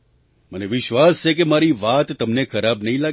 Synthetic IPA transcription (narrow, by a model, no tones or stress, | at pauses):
məneʋɪʃʋast͡ʃʰek̬emaɾiʋat̪ːəmnekʰəɾabnəɦĩlaɡ